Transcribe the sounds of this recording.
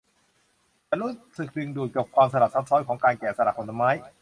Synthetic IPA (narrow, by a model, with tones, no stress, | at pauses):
taː˧˨ɾuː˦˥sɯ˨˩k̚dɯ˧ŋduː˨˩t̪̚ka˨˩p̚kʰwaː˧msa˧ɾa˨˩p̚sʰa˦˥sʰɔː˦˥jkʰɔː˩˦ŋkaː˧nkɛː˨˩sa˧na˨˩kʰːo˧nt̪ʰa˧maː˦˥j